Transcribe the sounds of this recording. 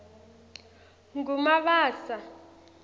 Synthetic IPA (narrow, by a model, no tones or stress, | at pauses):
ŋɡumaɓaːsa